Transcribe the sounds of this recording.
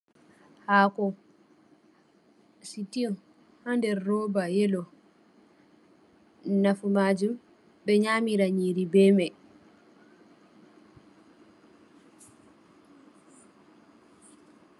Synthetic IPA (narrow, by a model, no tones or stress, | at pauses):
haːkɔ | sitin | handɛɾːɔːbajɛlɔ | nafumaːd͡ʒum | bɛɲaːmiɾaɲiːɾibɛːmɛ